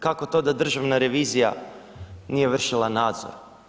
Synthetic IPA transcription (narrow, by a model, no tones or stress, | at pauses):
kako̞t̪o̞d̪ad̪r̩ʒaʋnaɾe̞ʋiːzija̰ | nije̞ʋr̩ʃilˠanaːd̪zo̰ɾ